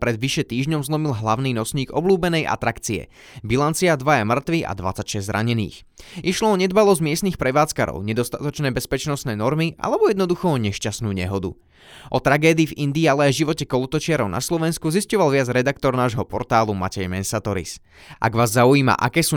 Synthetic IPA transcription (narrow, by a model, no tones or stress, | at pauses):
pɾɛd̪ʋiʃɛt̪iːʒɲɔmzlˠɔmilɦlaʊniːnɔsɲiːɡɔbluːbɛnɛjʔa̰t̪ɾakt͡siɛ̰ | bilant͡siad̪ʋajamr̩t̪ʋia̰d̪ʋa̰t͡sacʃɛzzɾʔa̰ɲɛnḭːx | ʔiʃlɔɔɲɛd̪balɔzɟmɪɛst̪nixpɾɛʋaːt͡skaɾɔ̰ʊɲɛd̪ɔst̪at̪ɔt͡ʃnɛːbɛspɛt͡ʃnɔsnɛːnɔɾmiʔa̰lɛbɔjɛd̪nɔd̪uxɔɲɛʃcasnuːɲɛ̰ɦɔd̪ṵ | ʔɔt̪ɾaɡɛːd̪iːvind̪iːalɛajʒiʋɔcɛkɔlut̪ɔt͡ʃɪaɾɔʊna̰slɔʋɛnskuziscɔʋalʋɪad͡zɾɛd̪akt̪ɔɾnaːʒɦɔpɔɾt̪aːluma̰cɛjmɛnsat̪ɔɾḭs | ʔa̰ɡʋaːzːaujiːma̰ʔakɛːsuː